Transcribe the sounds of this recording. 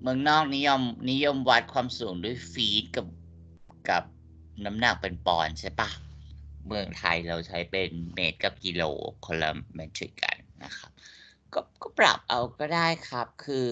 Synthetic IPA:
mɯ˧əŋnɔː˥˩k̚ni˦˥jɔ˧mni˦˥jo˧mwa˦˥t̪̚kʰwaː˧msuː˩˦ŋdu˥˩ə˨jfiː˦˥t̪̚ka˨˩p̚ | ka˨˩p̚ | na˦˥mna˨˩k̚pe˧npɔ̰ː˧nt͡ɕʰa˦˥˩jpa˧˩mɯ˧əŋt̪ʰa̰˧jɾa˧wt͡ɕʰa˦˥jpe˧nmeː˦˥t̪̚ka˨˩p̚ki˧lo̰ː˨˩kʰo˧nla̰˧mɛ˦˥t̪ʰɾḭ˨˧˩kːa̰˧˩nːa̰˦˥xʰa˦˥p̚kɔː˥˩kɔː˥˩pɾa̰˨˩p̚ʔa˧wkɔː˥˩daː˥˩jkʰa˦˥p̚kʰɯː˧

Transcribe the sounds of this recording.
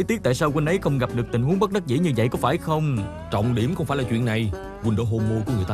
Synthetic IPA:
t̪i˦˥ət̪ːjsaː˧wkwnʔə˨˦jxə˧wŋ͡mɣa˨˩p̚ɗɨ˨˩ək̚t̪ï˨˩ŋhu˨˦əŋɓə˦˥k̚ɗə˦˥k̚zḭ˧˥ɲɨ˧və̰˧˨jkɔ˨˦faː˧˩jxə˧wŋ͡m | t͡ɕɔ̰˧˨wŋ͡mɗi˧˩əmxə˧wŋ͡mfaː˧˩jlaː˨˩t͡ɕwḭ˧˨ənːa˨˩j | wnɗo̰˧˦ɦo˧mo˧ku˨˧˦ŋɨ˨˩əjt̪ː

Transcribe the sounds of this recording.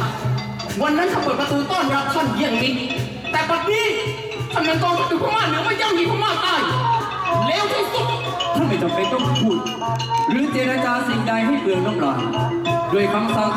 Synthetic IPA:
wa˧nːa˦˥˨t̪ʰa˥˨pɤː˨˩t̚pɾa˧t̪uː˧t̪ɔː˥˩nɾa˦˧˥p̚t͡ɕʰa˧˥˩njaː˧˩ŋni˦˥ | t̪ɛː˨˩pa˧˩t̪iː˧˥˩ | t̪ʰa˥˩nmɛː˧˥˨nk̪ɔː˧ŋtʰa˧˥˩uː˧kʰːmaː˧˥˩nɛ˧˦˥wma˥˩˨t͡ɕaː˥˨wjiː˧˥˩kʰɔː˥˩maː˧˥˩t̪aː˧˩j | lɛː˦˥˩wt̪ʰu˧˩su˧˩ | t̪ʰa˥˩nma˧˥˩t͡ɕ̪ɔ˨˩pa˧jt̪ɔ˥˩pʰuː˧˩t̪̚ | ɾɯː˦˥˦t͡ɕeː˧ɾa˧t͡ɕaː˧si˨˩˦ŋkaː˧jɦa˥˩jkɯ˨˩ŋno˦˥˩p̚lɔː˨˩n | du˧˩əjka˧˥msa˧˥˩

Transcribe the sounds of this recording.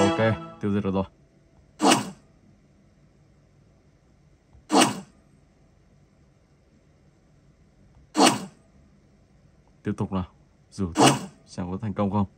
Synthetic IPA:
a˨˩kɛ˧t̪i˧wzə˧˨˩t̚ɔː˨˧˩zɔ˧˩ | t̪i˦əp̚t̪ʊ˨˩k͡p̚naː˨˩w | zu˨˩˧t͡ɕa̰˧˩ŋkɔ˨˦t̪ʰɛ˨˩ŋkə˧wŋ͡mxə˧wŋ͡m

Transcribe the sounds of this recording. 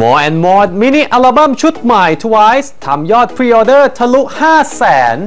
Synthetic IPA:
mɔː˧ʔɛ˧nmɔː˧˦t̪̚mi˦˥ni˧˩ʔa˧la˧ba˥˩˨mt͡ɕʰu˦˥t̪̚ma˨˩jt̪ʰu˧wa˦˥jst̪ʰa˧mjɔː˥˩t̪̚pʰɾiː˧ʔoː˧dɤː˥˩t̪ʰa˧lu˦˥ʔ̚haː˥˩sɛː˩˦n

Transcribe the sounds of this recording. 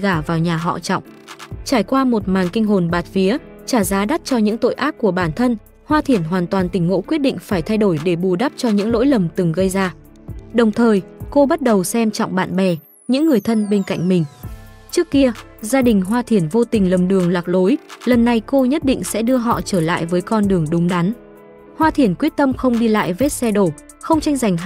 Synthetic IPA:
ɣaː˧˩vaː˨˩wɲaː˨˩ɦɔ̰˧˨t͡ɕɔ̰˧˨wŋ͡mt͡ɕaː˧˩jkwaː˧mo˨˩t̚maː˨˩nkï˧ŋ̟ɦo˨˩nɓaː˨˩t̚fi˨˦ə | t͡ɕaː˧˩zaː˨˦ɗa˦˥t̚t͡ɕɔ˧ɲɨ̰˧˥ŋt̪o̰˧˨jʔaː˦˥p̚ku˧˩əɓaː˧˩nt̪ʰə˧n | hwaː˧t̪ʰi˧˩ənɦwaː˨˩nt̪waː˨˩nt̪ï˧˩ŋ̟ːo̰˧˥kwət̚ɗḭ̈˧˨ŋ̟faː˧˩jt̪ʰa˧jɗo˧˩jɗe˧˩ɓu˨˩ɗa˦˥p̚t͡ɕɔ˧ɲɨ̰˧˥ŋlo̰˧˥jlə˨˩mt̪ɨ˨˩ŋɣə˧jzaː˧ | ɗə˨˩wŋ͡mt̪ʰəː˨˩jko˧ɓa˦˥t̚ɗə˨˩wsɛ˧mt͡ɕɔ̰˧˨wŋ͡mɓa̰ː˧˨nɓɛ˨˩ | ɲɨ̰˧˥ŋːɨ˨˩əjt̪ʰə˧nɓe˧nka̰˧˨jŋ̟mï˨˩ŋ̟ | t͡ɕɨ˦˥əkːi˧ə | zaː˧ɗï˨˩ŋ̟ɦwaː˧t̪ʰi˧˩ənvo˧t̪ï˨˩ŋ̟lə˨˩mɗɨ˨˩əŋlaː˨˩k̚lo˨˦jlə˨˩nːa˧˩jko˧ɲə˦˥t̚ɗḭ̈˧˨ŋ̟sɛ̰˧˥ɗɨ˧əɦɔ̰˧˨t͡ɕəː˧˩la̰ː˧˨jvəː˨˦jkɔ˧nɗɨ˨˩əŋɗʊ˨˦ŋ͡mɗa˨˦n | hwaː˧t̪ʰi˧˩ənkwi˦˥ət̚t̪ə˧mxə˧wŋ͡mɗi˧la̰ː˧˨jve˦˥t̚sɛ˧ɗo˧˩ | xə˧wŋ͡mt͡ɕa˧jŋza˨˩jŋ̟

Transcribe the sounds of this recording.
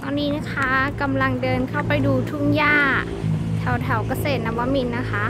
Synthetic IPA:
t̪ɔː˧nːiː˦˥na˦˥kʰa˦˥ka˧mla˧ŋdɤː˧nkʰa˥˩wpa˧jduː˧t̪ʰu˥˩ŋjaː˥˩ | t̪ʰɛ˨˩˦wt̪ʰɛ˧˩˦wka˧˩seː˨˩t̪̚na˧˩wa˧˥mi˧nːa˦˥kʰa˦˥

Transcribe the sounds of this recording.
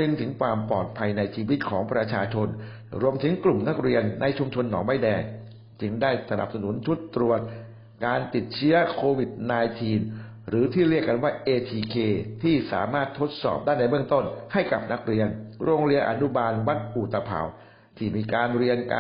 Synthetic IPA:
ɯ˧ŋt̪ʰɯ˩˦ŋkʰwaː˧mpɔː˨˩t̪̚pʰa˧jna˧jt͡ɕʰiː˧wi˦˥t̪̚kʰɔː˩˦ŋpɾa˧t͡ɕʰaː˧t͡ɕʰo˧n | ɾu˧əmt̪ʰɯ˩˦ŋklu˨˩mna˦˥k̚ɾi˧ənːa˧jt͡ɕʰu˧mt͡ɕʰo˧nːɔː˩˦ŋba˥˩jdɛː˧ŋ | t͡ɕɯ˧ŋdaː˥˩jsa˧na̰˨˩p̚sa˧nu˩˦nt̪ʰu˦˥t̪ːɾu˨˩ət̪̚ | kaː˧nt̪i˨˩t̪̚t͡ɕʰɯ˦˥ɐkʰoː˧wi˨˩t̪̚naː˧jt̪ʰiː˧n | ɾɯː˩˦t̪ʰiː˥˩ɾi˥˩əkːa˧nwaː˥˩ʔeː˧t̪ʰiː˧kʰeː˧t̪ʰiː˥˩sa̰ː˩˦maː˥˩t̪ʰːo˦˥t̪̚sɔ̰ː˨˩p̚daː˥˩jna˧jbɯ˥˩əŋt̪o˥˩nha˥˩jka̰˨˩p̚na˦˥k̚ɾi˧ənɾoː˧ŋɾi˧əʔa˧nu˦˥baː˧nwa˦˥t̪̚ʔu˨˩t̪a˧pʰa̰˨˩w | t̪ʰiː˥˩miː˧kaː˧nɾi˧ənka

